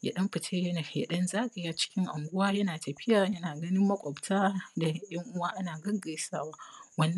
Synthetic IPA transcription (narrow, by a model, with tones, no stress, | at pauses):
jɐ̰˨ɗɐ˦mɸɪ˨tʰeː˦jɐ˦na˨jɐ˦ɗɐ˦nzaː˦ka˨jaː˦t͡ʃɪ̥˦kʲɪ˦ŋʔa̰˨ŋɡʷʊ˦waː˦jɐ˦naː˨tɐ˨ɸɪ˦jaː˨jɐ˦naː˨ɡɐ˦nɪ˦mːɐ˦kʷʼɔ˨btaː˦da˨˦jɐ˦ŋʔʊ˦waː˦ʔa˦naː˨ɡɐ˦ɡɐ˨jsaː˦waː˦wɐ˦nː